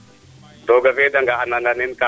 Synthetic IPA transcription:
dɔɡavɛdaŋɡahanananenka

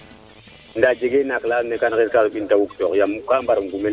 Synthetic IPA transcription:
ndad͡ʒeɡenaklanekanketkaɓintawuktɔkjamkambaɾŋɡume

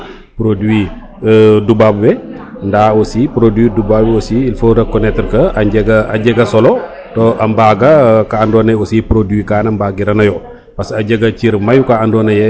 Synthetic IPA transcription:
pɾodwi | dubabwɛ | ndaosipɾodidubabosiilfoɾɐkːɔnɛtəɾkɐɐɟɛɡɐɐɟɛɡɐsɔlɔ | toʔɐmbaɡɐkaːndɔːnɐjosipɾodwikaːnɐmbaɡiɾɐnɐjɔ | pɐsɐɟɛɡɐt͡ʃiɾmɐjukaandɔːnɐjɛ

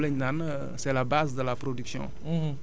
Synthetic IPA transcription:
ləɲnan | sɛlabazd̪əlapɾod̪yksjɔ̰̃

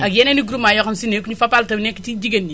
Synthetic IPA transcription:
akjɛneniɡuɾumajɔkamsinekuɲifapaltɐbnɛkːitidiɡɐnːi

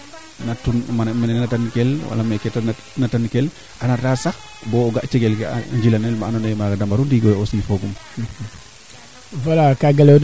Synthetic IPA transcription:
natunmanamɛnɛnɛnatankɛlwa̰lamɛkɛta | natankɛl | ʔanatasax | bɔɔɡaʔt͡ʃɛɡɛlɡɛa̰ɲd͡ʒilanɛlmaanɔnɛmaɡadambaɾundiɡɔjɔsifɔɡum | walakaɡalɛwn

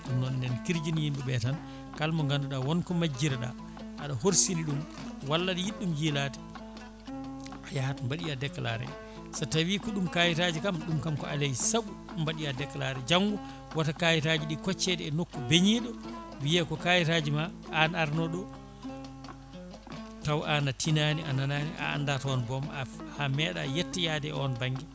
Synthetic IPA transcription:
ɗunːɔnnɛnkiɾd͡ʒinjimbɛbɛtan | kalmɔŋɡanduɗawɔnkɔmad͡ʒːiɾɛɗa̰ | ʔaɗahoɾsiliɗum | walːaɗijiɗːumjilaːti̥ | ajaatumbaɗijadɛkːla̰ɾɛ̰ | satawikɔɗumkajitad͡ʒikamɗumkamkɔ̰ʔalejsabu | mbaɗijadɛkːlaːɾɛd͡ʒaŋɡu | watakajitad͡ʒiɗikɔt͡ʃːɛdɛːnokːubeɲiːɗɔ | wijɛkɔkajitad͡ʒimaʔanaɾnɔɗɔ | tawʔanatʰinaːniʔananaːniʔa̰a̰ndatɔɔnbɔmhamɛɗa̰jɛtːɛjadɛɔnbaŋɡi

